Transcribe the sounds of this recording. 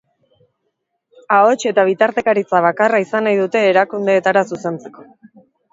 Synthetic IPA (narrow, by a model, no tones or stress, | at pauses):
ao̞t͡ʃe̞t̪aβ̞it̪aɾt̪e̞kaɾit͡saβ̞akaraisanajðut̪e̞ːɾakund̪e̞ːt̪aɾasuse̞nt͡se̞̥ko̞̥